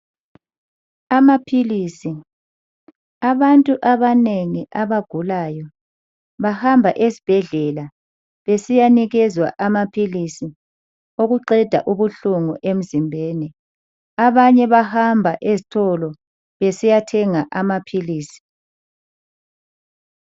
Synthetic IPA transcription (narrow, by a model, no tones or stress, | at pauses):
amapʰiliːsi | aβantʼuʔaβaneŋiʔaβaɡ̥ʱulaːjɔ | βahambʱaʔesi̥b̥ʱɛɮɛla | βesijaniɣɛzwa̰ʔamapʰilisi | oɣuǃɛd̥ʱa̰ʔuβuɬuŋuʔem̩zimbʱeːni | aβaɲɛβahambʱaʔezitʰɔlɔ | βesijatʰɛŋaʔamapʰiliːsi̥